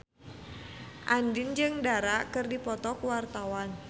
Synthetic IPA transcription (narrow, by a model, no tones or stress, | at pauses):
ʔandɪnd͡ʒɨŋdaɾakɨrdipɔt̪ɔkuwart̪awan